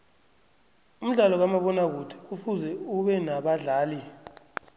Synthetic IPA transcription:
um̩ɮalɔk̬amaɓɔnak̬utʰɛ̥ufuzɛuɓɛnaɓaɮaːli

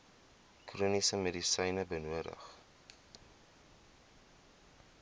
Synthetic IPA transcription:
kruːnisəmedisəjnəbənuədə̰χ

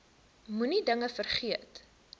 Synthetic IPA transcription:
munidəŋəfərχiət

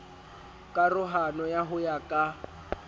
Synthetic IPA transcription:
kʼarʊɦanɔjaɦʊjakʼa

